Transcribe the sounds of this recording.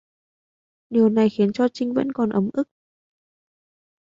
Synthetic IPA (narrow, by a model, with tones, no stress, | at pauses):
ɗi˨˩əwna˨˩jxi˨˦ənt͡ɕɔ˧t͡ɕï˧ŋ̟və̰˧˥nkɔ˨˩nʔə˨˦mʔɨ˦˥k̚